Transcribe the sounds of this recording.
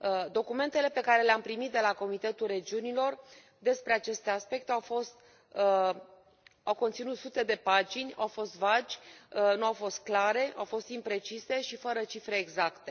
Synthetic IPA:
d̪o̞kume̞nt̪e̞le̞pe̞kaɾe̞leampɾimit̪̚d̪e̞lako̞mit̪e̞t̪ulre̞d͡ʒiunilo̞r | d̪e̞spɾe̞at͡ʃe̞st̪easpe̞k̚t̪eawfo̞st̪ | awko̞nt̪sinut̪sut̪e̞d̪e̞pad͡ʒinʲa̰wfo̞st̪vad͡ʒʲnuawfo̞st̪̚klaɾe̞ʔawfo̞st̪impɾe̞t͡ʃise̞ʃifəɾət͡ʃifɾe̞ːɡzakt̪e̞

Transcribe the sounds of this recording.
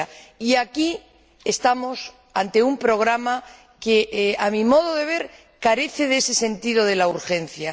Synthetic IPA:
aiaki | est̪amo̞s | ant̪e̞umpɾo̞ɣ̞ɾama | ke̞amimo̞ð̞oðe̞β̞e̞ɾ | kaɾe̞θe̞ðese̞se̞nt̪iðo̞ð̞e̞lauɾxe̞n̟θja

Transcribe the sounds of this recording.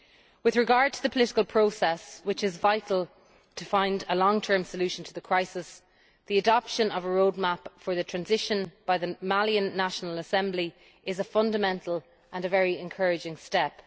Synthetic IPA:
wɪðɹɪɡɑɹd̚tʰəðəpʰəlɪɾɪ̥kəlˠpʰɹ̥oʊsɛswɪt͡ʃɪzvaɪtʰˡl̩ˠ | tʰəfãɪ̃ndəlɔ̃ŋtʰɜ̃˞msəljʉʃə̃ntʰəðəkʰɹ̥aɪsɪs | ðiədɑpʃə̃nəvəɹoʊd̚mapfə˞ðətʰɹ̥ãnzɪʃə̃nb̥aɪðəmaliə̃nːaʃənələsɛ̃mbli | ɪzəfʌ̃ndəmɛ̃ntʰˡəl̩ˠ | ʔə̃nəvɛɹiɪ̃nkʰɜɹɪd͡ʒɪ̃ŋstɛp

